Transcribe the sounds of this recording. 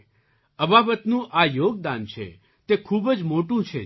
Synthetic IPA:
əbabət̪nũʔajoɡ̚d̪ant͡ʃʰḛ | t̪ekʰubəd͡ʒmoʈũt͡ʃʰe

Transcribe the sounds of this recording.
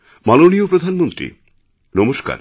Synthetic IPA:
maloniopɾod̪ʱanmont̪ɾḭ | nɔmoʃka̰ɾ

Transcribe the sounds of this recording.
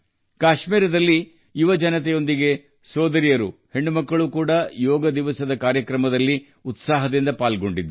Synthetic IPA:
kaːʃmiːɾɐd̪ɐlːi | juʋɐd͡ʒɐnɐt̪̬ɛjo̞nd̪iɡe̞ | sɔːd̪ɐɾijɐɾṵhe̞ɳːumɐkːɐɭukuːɽɐjɔːɡɐd̪iʋɐsɐd̪ɐkaːɾjɐkɾɐmɐd̪ɐlːi | ut̪saːɦɐd̪ind̪ɐpaːlɡo̞ɳɖid̪ːu

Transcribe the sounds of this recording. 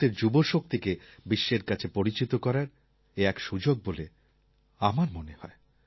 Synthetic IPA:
t̪eɾd͡ʑuboʃok̚t̪ikebiʃːeɾkat͡ɕʰepoɾit͡ɕit̪okɔɾaɾ | eɛkʃud͡ʑoɡ̚bole | amaɾmonehɔ̰e

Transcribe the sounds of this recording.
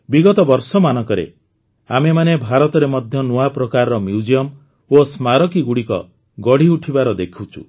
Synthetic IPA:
biɡɔt̪ɔbɔɾsɔmanɔkɔɾḛ | amemanebʱaɾɔt̪ɔɾemɔd̪ʱjɔnuapɾɔkaɾɔɾɔmjud͡ʒiɔm | osmaɾɔkiɡuɽikɔ̰ | ɡɔɽ̤iuʈʰibaɾɔd̪ekʰut͡ʃʰṵ

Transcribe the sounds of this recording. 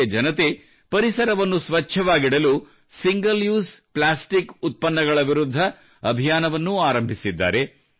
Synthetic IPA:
ɐd͡ʒɐnɐt̪e | pɐɾisɐɾɐʋɐnːusʋɐt͡ʃʰːɐʋaːɡiɽɐlu | siŋɡɐljuːsplaːsʈikut̪̚pɐnːɐɡɐɭɐʋiɾud̪ʱːɐ | ɐbʱijaːnɐʋɐnːuaːɾɐmbʱisid̪ːa̰ːɾe̞

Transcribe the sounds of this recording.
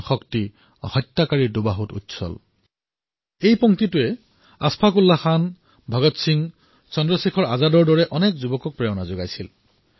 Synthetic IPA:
xɔkti | hɔjtːakaɹidʊbaɦutṵtsɔ̰l | ejpɔŋtitʊɛ | aspʰakulːaxan | bʱɔɡɔtsiŋ | t͡sɔndɹɔsikʰɔɹazadɔɹdɔɹɛʔɔnɛkzubɔkɔk̚pɹɛjɔnazoɡajsil

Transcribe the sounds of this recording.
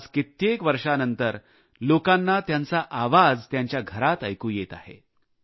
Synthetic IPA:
t͡skit̪jekʋəɾʂanənt̪əɾ | lokanːat̪jant͡saʔaʋad͡zt̪jaɲt͡ɕjaɡʱəɾat̪əjkuːjet̪a̰hḛ

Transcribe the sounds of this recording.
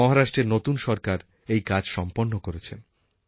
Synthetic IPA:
ɔɦaɾaʃʈɾeɾnot̪unʃɔɾkaɾ | ejkad͡ʑʃɔmponːokoɾet͡ɕʰen

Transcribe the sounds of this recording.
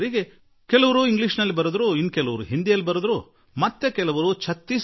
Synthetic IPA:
ɾiːɡe | kɛlɐʋɐɾuiŋɡliʂnɐlːibɐɾud̪ɾuinːkɛlɐʋɐɾṵɦind̪ijɐlːibɐɾud̪ɾu | mɐt̪ːekɛlɐʋɐɾut͡ʃʰɐt̪ːis

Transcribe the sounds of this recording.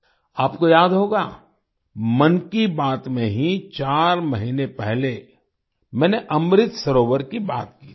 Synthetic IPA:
aːpkojaːd̪ɦoːɡaː | mɐnkibaːt̪mẽɦit͡ʃaːɾmɐɦiːnepɛɦle | mɛ̃ːneʔɐmɾɪt̪sɐɾoːʋəɾkibaːt̪ki̥ː

